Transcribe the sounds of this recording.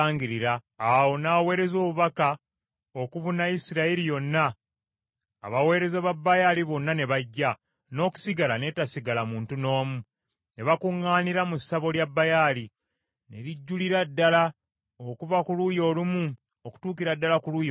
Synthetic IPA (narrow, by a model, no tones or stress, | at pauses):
ŋɟiɾiɾaː | wo̞naːwe̞ːɾe̞zo̞ːβuβaka | o̞kuvunaisiɾaeɾijo̞nːa | βawe̞ːɾe̞zeβabːajaliβo̞nːane̞βaɟːa | no̞ːku̥siɡalane̞tasiɡalamuːntuno̞ːmu | ne̞βakuŋːaːniɾamusaβo̞ljabːajali | ne̞̰ɾiɟːuliɾadːala | okuvakulujo̞ːlumu | oku̥tuːkiɾadːalakulujo